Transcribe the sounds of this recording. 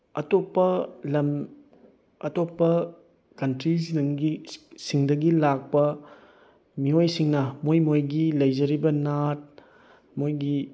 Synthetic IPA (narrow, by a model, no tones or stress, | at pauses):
ɐtopːɐlɐm | ɐtopːɐ | kɐntɾisŋɡisiŋdɐɡilak̚pɐ | miojsiŋnɐmojmojɡilɐjzɐɾibɐnat̚ | mojɡi